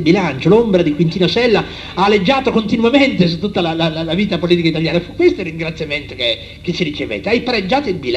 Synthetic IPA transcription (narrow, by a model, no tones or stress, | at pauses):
bilant͡ʃolombɾad̪ikwint̪iːnosɛlːa | aːlːed͡ʒːaːt̪okont̪inwament̪es̬ut̪ːut̪ːalalalalaviːt̪apoliːt̪ikait̪aljaːnafukːwest̪oirːiŋɡɾat̪sːjament̪oke | k̟et͡ʃːiɾit͡ʃevḛːt̪ːeajpaɾed͡ʒːaːt̪oilbil